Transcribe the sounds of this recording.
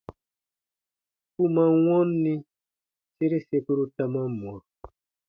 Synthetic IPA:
ku˦mã˦wɔ̃˦nːĩ˦ | se˦ɾe˦se˧pu˦ɾu˦ta˦mã˦mɔ˨ɾ

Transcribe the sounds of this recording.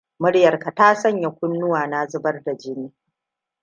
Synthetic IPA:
mʊ˦ɽjɐ˨rka˨taː˦sɐ˦ɲja˨kʷʊ˦nːʊ˦waː˨na˦zʊ˦bɐ˦rda˨d͡ʒɪ˦niː˦

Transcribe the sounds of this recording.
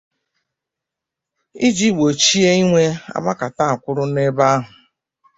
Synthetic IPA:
i˦d͡ʒi˦˨ɡ͡bo˨t͡ʃi˦e˦i˦ŋʷe˦a̰˦ba˦ka˨ta˦˨a˨kʷʊ˦ɾʊ˦ne˦ba˦a˦ɦʊ˨

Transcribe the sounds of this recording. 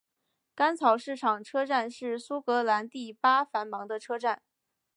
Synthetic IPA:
ka˥nt͡sʰɑ˨˩ʊʂɻ̩˥˩ʈ͡ʂʰɑ˨˩ŋʈ͡ʂʰɤ˥ʈ͡ʂa˥˧nʂɻ̩˥˩su˥kɤ˧˥la˧˥nt̪i˥˩pa˥fa˧˥nmɑ˧˥ŋd̪ə˧ʈ͡ʂʰɤ˥ʈ͡ʂa˥˩n

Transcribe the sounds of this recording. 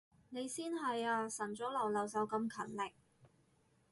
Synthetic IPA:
ne˨˧jsiː˥nɦɐ˨jaː˧sɐ˨˩nt͡sɔː˨˥lɔː˨˩ŋlɐ˨wsɐ˨˧˥wkɐ˧mkʰɐ˨˩nlɪ˨k̚

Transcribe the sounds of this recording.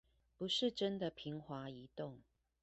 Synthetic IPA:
pu˨˦ʂɻ̩˥˨ʈ͡ʂə˦nd̪ə˨pʰi˨˦ŋxwa˨˥˦i˨˦t̪ʊ˥˨ŋ

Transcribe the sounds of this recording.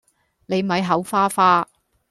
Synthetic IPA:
ne˨˧jm̩˨ɐ˨˧jɦɐ˨˥wfaː˥faː˥

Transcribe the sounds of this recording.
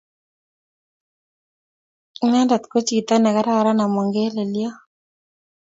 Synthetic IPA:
ma˦nda˨t̪ko˦t͡ʃi˨ɡi˨t̪a˦nɛ˨ka˦ɾa˦ka˨ɾa˦na˨mɔ˨ŋɡe˦le˨ljɔ˦

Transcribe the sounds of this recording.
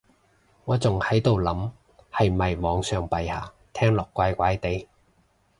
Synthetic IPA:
ŋɔː˨˧t͡sʊ˨ŋhɐ˨˥jt̪o˨wlɐ˨˥m | hɐ˨jmɐ˨jmɔː˨˧ŋsœː˨˧ŋpɐ˨jhaː˨˩ | t̪ʰɛː˥ŋlɔː˨˩kːʷaː˨˥jkʷaː˨˥jt̪e˨˥j

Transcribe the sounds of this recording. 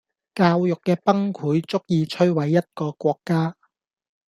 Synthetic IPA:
kaː˧wjʊ˨kːɛː˧pɐ˥ŋkʰuː˨˥jt͡sʊ˥k̚jiː˧t͡ʃʰɵ˥ɥwɐ˨jːɐ˥t̚kɔː˧kʷɔː˧kːaː˥

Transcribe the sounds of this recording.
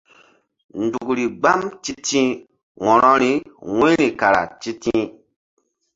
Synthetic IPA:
n̩˨du˨kɾi˨ɡ͡ba˦mt͡ʃi˦tĩ˦ | wɔ˨ɾɔ˦ɾi˦wẽ˦ɾi˨ka˨ɾa̰˨t͡ʃi˦tĩ˦

